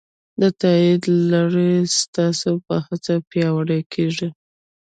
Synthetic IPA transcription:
d̪ət̪ɑid̪laɾist̪ɑsopəhat͡sapjɑwaɽakʰeʐi

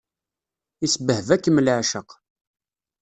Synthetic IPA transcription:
isəbəhəvækːəməlʕʃəq

